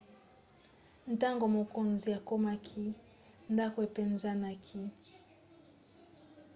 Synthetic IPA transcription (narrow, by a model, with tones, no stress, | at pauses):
n˨ta˦ŋɡo˨mo˨ko˨nzi˨a˨ko˦ma˦kʰi˦ | nda˦ko˨e˨pe˨nza˦na˨kʰi˦